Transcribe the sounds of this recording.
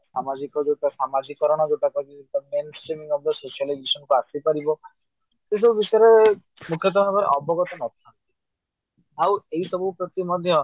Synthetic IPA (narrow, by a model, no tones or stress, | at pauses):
ssamad͡ʒikɔd͡ʒeʈasamad͡ʒikːɔɾɔɽ̃ɔd͡ʒeʈakɔkieʈamensʈemiŋɔblɔsesuɔlaɡisɔnkuasipaɾibɔ | t̪es̬ɔbubisɔjaɾe | mukʰjɔt̪̬ɔmɔkɔɾḛʔɔbʱɔɡɔt̪ɔnɔt̪ʰiant̪i | aweisɔbupɾɔt̪imɔd̪ʱjɔ